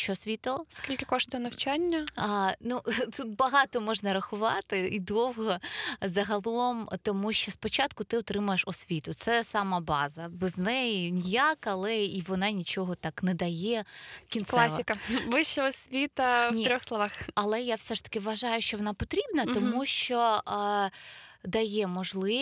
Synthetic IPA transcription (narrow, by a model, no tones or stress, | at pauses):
ʃt͡ʃɔsʲʋʲit̪ɔskʲilʲkɪkɔʂt̪ɔnɐwt͡ʃanʲːɐnut̪ut̪̚bɐɦɑt̪ɔmɔʒnɐɾɐxʊʋɑt̪ɪid̪ɔwɦɔzɐɦɐlˠɔmt̪ɔmuʃt͡ʃɔspɔt͡ʃɑt̪kʊt̪ɪɔt̪ɾɪmʊjeʂɔsʲʋʲit̪ʊt̪sɛsɑmɑbɑ̰zɐbɛznɛjinʲijakɐlˠɛiʋɔnɑnʲit͡ʃɔɦɔt̪ɑknɛd̪ɐjɛkʲinslˠassɪkɐbɪʃt͡ʃɛɔsʲʋʲit̪ɐnʲiɾʲɔxslˠɔʋɑxɐlˠɛjawsɛʂt̪ɐ̥kɪʋʋɐʒɑjʊʃt͡ʃɔʋɔnɑpɔt̪ɾʲibnɐt̪ɔmmuʃt͡ʃɔ | d̪ɐjɛmɔʒlˠɪ